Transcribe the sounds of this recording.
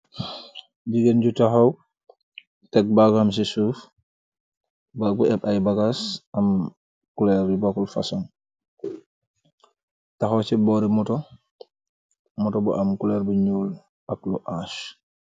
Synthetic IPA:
d͡ʒiɡend͡ʒutaxaw | tɛk̚baɡams̬isuf | baɡuɛɓajbaɡasʔam | kulɛɾdibakulfa̰sɔn | taxɔt͡ʃɛbɔɾimɔtɔ | mɔtɔbɔʔamkulɛɾbɔɲuːl | aklɔʔaʃ

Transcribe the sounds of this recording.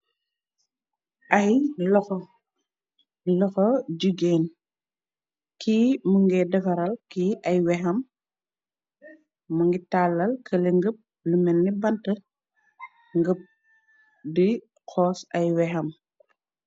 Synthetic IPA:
ʔɐjlɔx | lɔxɔɟuɡeːn | kimuŋɡɛdɐfɐɾɐlkiʔɐjwɛɦɐm | mɐŋɡitalːɐlkʰɐleŋɡəp̚ | lumɛnːibɐntɐ | ŋɡəp̚ | di | kɔːsɐjwɛɦɐm

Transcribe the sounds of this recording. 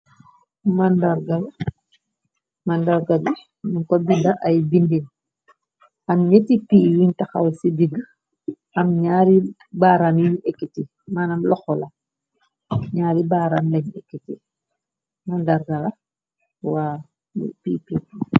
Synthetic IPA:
mandarɡala | mandaɾɡaɡu | nuŋkɔbindaʔɐjbindin | ɐmɲetipiːwiɲtɐxa̰wsidiɡ | ɐmɲaːɾi | baɾanjiɲʔɛkːɛti | manɐmlɔxɔla | ɲaːɾibaːɾanlɛɲɛkːeti | mandaɾɡɐlɐ | wa | b̰piːpiː

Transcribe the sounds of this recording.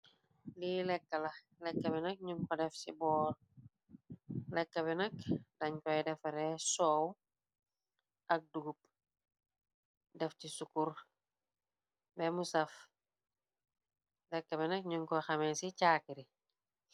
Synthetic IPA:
lilɛkːɐlɐ | lɛkːɐbɛnɐk̚ɲuŋkɔdɛfsḭbɔːr | lɛkːɐbɛnɐkdɐɲkɔjdɛfɐɾɛsɔw | ʔɐk̚duɡup̚ | dɛftisukur | bɛmusɐf | lɛkːɐbɛnɐk̚ɲuŋkɔxɐmɛsicaːkiɾi

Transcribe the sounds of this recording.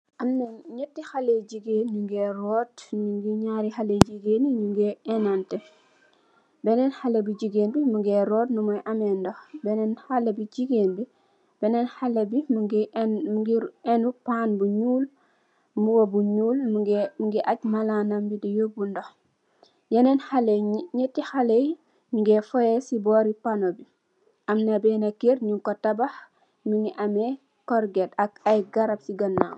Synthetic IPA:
ʔamnɛnɲɛtːixaled͡ʒiɡenuŋɡɛrɔtniŋɡiɲaːɾixaled͡ʒiɡeːniɲuŋɡɛɛnantɛ | bɛnɛnxalɛbid͡ʒiɡeːnbimuŋɡɛɾɔːtnumɔjʔamɛndɔxbɛnɛnxalɛbid͡ʒiɡeːnbi | b̥ɛnɛnxalɛbiɡɡiɛnupanbuɲuːl | muwobuɲuːlmuŋɡiʔac̚malanɐmbidijobundɔx | jɛnɛnxalɛɲɛtːixalɛj | miŋɡɛfɔjɛsibɔːɾipanobi | ʔɐmnɐbɛnɐkiɾɲuŋkɔtɐbax | miŋiʔamɛ | kɔɾɡɛtɐkajɡɐɾɐp̚siɡɐnːaw

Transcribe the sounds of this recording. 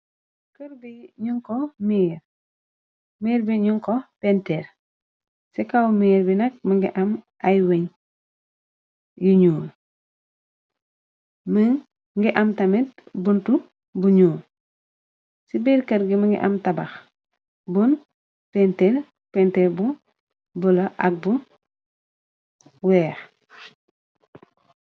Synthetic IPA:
kəɾbiɲuŋkɔmiːɾ | miːɾbiɲuŋkɔpɛnteɾ | sikawmiːɾbinɐk̚mɐŋɡḭʔɐmʔajweɲ | juɲuːl | məŋ | ŋɡiʔɐmtɐmetbuntu | buɲuː | sibiɾkɐɾɡimɐŋɡḭʔa̰mtɐbɐx | bun | pɛntel | pɛntelbun | bulɐʔɐ̰k̚bun | wɛːx

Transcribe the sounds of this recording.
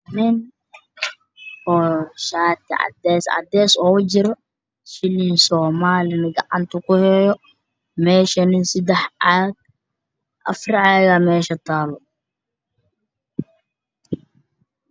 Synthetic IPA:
nɪn | hɔːʃaːt̪ɪʔɐ̰d̪ɛːsɐ̰d̪ɛːsɔːwʊd͡ʒɪɾɔ | ʃɪlinsɔːmaːlɪnɪɡɐʔa̰nt̪ʊkʊhɛːjɔ | mɛːʃɐnɪnsɪd̪ɛħaːɡ̚ | ʔɐ̰fɾɪʕaːɣɐmɛːʃɐt̪aːlɔ

